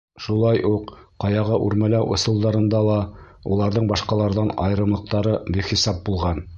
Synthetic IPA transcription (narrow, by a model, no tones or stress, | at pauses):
ʃulˠɑjʔuqqɑjɑʁɑʔʉɾmælæwʔŏsɤ̆lˠd̪ɑɾɤ̆nd̪ɑlˠɑ | ulˠɑɾðɤɴbɑʃqɑlˠɑɾðɑnɑj̆ɾɤ̆mlˠɤ̆q̚t̪ɑɾɤbiχisɑp̚bulˠʁɑn